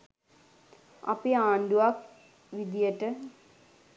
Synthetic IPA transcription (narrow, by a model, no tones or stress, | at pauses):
ɐ̰piaːɳɖuʋak | ʋid̪ijɐʈɨ